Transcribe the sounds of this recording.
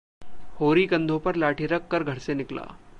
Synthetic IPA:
hoɾiːkənd̪ʱopəɾlaʈʰiɾəkːəɾɡʱəɽsenɪkla̰

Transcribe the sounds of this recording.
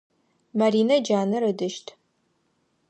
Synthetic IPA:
mɐɾiːnɐd͡ʒaːnɨɾɨdɨʃtʰ

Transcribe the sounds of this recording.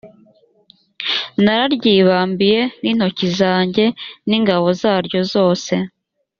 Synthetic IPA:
naɾaɾɟiːβaːmbije̞nin̥ho̞cizaːɲɟe̞niːŋɡaβo̞zaːɾɟo̞zo̞ːse̞

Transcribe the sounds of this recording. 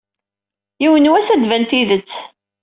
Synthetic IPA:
jiwənuwæsæd̪vænt̪iðət͡sː

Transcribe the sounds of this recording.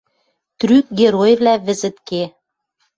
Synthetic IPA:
t̪ryk̚ɡeɾojvlæβɘ̆zɘ̆t̪ke

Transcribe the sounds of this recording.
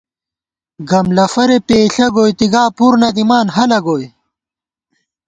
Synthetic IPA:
ɡɐmlɐfɐɾepeːɬɐɡoːjt̪iɡaːpuɾnɐd̪imaːnɦɐlɐɡoːj

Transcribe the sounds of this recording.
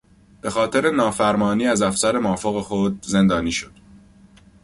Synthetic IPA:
b̥e̞xɒːt̪ʰe̞ɾe̞nɒːfæɾmɒːniːæzæfsæɾe̞mɒːfoɣexod̪ze̞nd̪ɒːniːʃod̪̥

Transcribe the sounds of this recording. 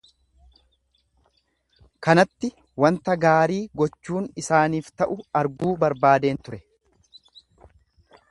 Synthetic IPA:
kɐnɐt̪ːɪ | wɐnt̪ɐɡaːɾiːɡɔt͡ʃːuːnɪsaːniːft̪ɐʔʊɐɾɡuːbɐɾbaːd̪e̞ːnt̪ʊɾɛ

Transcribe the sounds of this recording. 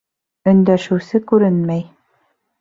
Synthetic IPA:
ɵ̆nd̪æʃɘ̆wsɘkʉɾɘnmæj

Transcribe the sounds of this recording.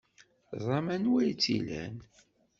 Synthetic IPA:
zˤɑmænwæjt͡sːḭlæ̰n

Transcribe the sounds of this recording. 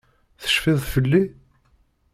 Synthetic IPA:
θə̥ʃfɪðˤfəlːi

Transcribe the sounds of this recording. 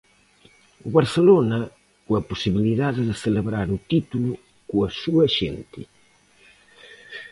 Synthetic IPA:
uβaɾselonɐ | kuɐpusiβiliðaðeðeseleβɾaɾut̪it̪ulu | kuasuɐʃḛnt̪ɪ

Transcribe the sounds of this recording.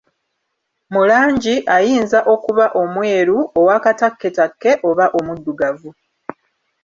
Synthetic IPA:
mulaːɲɟiʔajiːnzaʔo̞kuβaʔo̞mwe̞ːɾuo̞waːkatakːe̞takːe̞ʔo̞βaʔo̞mudːuɡavu

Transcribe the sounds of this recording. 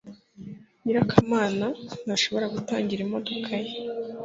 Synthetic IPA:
ɲiɾakʰamaːnanaʃo̞βo̞ɾaɡuta̰ːɲɟiɾimo̞do̞kʰaje

